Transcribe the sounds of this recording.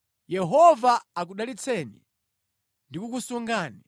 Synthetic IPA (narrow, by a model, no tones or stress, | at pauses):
jɛɦɔvaak̬uɗalit͡sʰɛnḭ | ndikuk̬usuŋɡaːni